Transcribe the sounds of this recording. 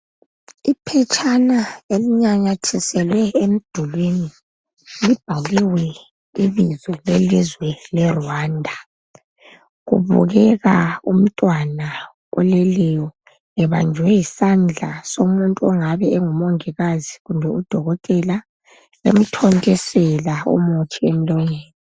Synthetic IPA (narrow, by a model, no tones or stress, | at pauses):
ipʰɛt͡ʃʼʰanaeliɲaɲatʰisɛlwɛem̩d̥ʱulini | lib̥ʱaɣiwɛ | iβizɛlelizwɛlɛrwaːndʱa | ɣṵβṵɣɛɣaum̩tʼwana | ɔ̰lɛlɛjɔ | ŋɛβand͡ʒʱwɛjisand͡ɮʱasomuntʼuɔŋaβɛɛŋumɔŋiɣaziɣumbʱɛud̥ʱɔɣɔtʼɛla | ḛm̩tʰɔntʼɛsɛlaṵmot͡ʃʰiem̩lɔŋeːni